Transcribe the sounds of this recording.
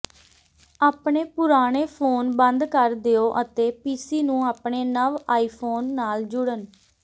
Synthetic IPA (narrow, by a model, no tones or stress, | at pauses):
aːpɳeːpʊɾaːɽ̃eːpʰoːnbənd̪kəɾd̪eoːʔət̪eːpiːsiːnũːaːpɳeːnəʋaːiːpʰoːnːaːld͡ʒʊɽən